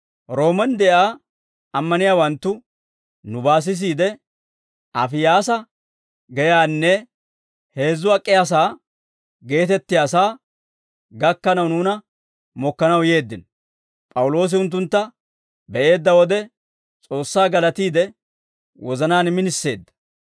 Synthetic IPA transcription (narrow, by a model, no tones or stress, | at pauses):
ɾo̞ːmɛnd̪ɛʔaː | ɐmːɐnɪjaːwɐnt̪ːʊ | nʊbaːs̬ɪs̬iːd̪ɛ | ʔɐfɪjaːsɐ | ɡɛjaːnːɛ | he̞ːzːʊɐkʼːɪjaːs̬aː | ɡe̞ːt̪ɛt̪ːɪjaːsaː | ɡɐkːɐnɐwnuːnɐ | mɔkːɐnɐwje̞ːd̪ːɪn | pʼɐwʊlo̞ːs̬ɪʊnt̪̬ːʊnt̪ːɐ | bɛʔe̞ːd̪ːɐwɔd̪ɛ | t͡sʼo̞ːsːaːɡɐlɐt̪iːd̪ɛ | wɔzɐnaːnmɪnɪsːe̞̰ːd̪ːɐ̥